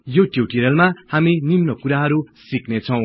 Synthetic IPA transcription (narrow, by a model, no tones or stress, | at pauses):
joʈjuʈiɾʌlmahaminimnʌkuɾaɦʌɾusiknet͡sʰʌw̃